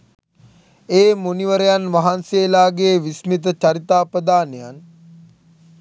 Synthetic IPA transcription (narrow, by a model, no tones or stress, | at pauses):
eːmoniʋəɾejanʋaɦanseːlaːɡeːʋismit̪̬ət͡ʃaɾit̪aːpɾəd̪aːnejan